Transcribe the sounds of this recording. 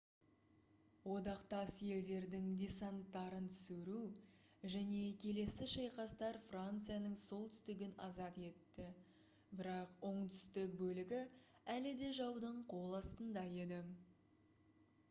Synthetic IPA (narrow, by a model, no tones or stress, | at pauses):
wo̞d̪ɑqt̪ɑsje̞ld̪e̞ɾd̪ɪŋd̪ʲesant̪ːɑɾənt̪ʰʏ̥sɪɾuw | ʒæne̞kʲʰe̞le̞sɪʃɑjqɑst̪ɑɾfrant̪sɨjanəɴso̞lˠt̪ʰʏ̥st̪ɪɡʲɪnɑzɑt̪e̞t̪ːɪ | bɪɾɑqwo̞ɴt̪ʰʏ̥st̪ɪk̚bɵlɪɡʲɪælɪd̪e̞ʒɑwd̪əɴqʰo̞lˠɑst̪ənd̪ɑje̞d̪ɪ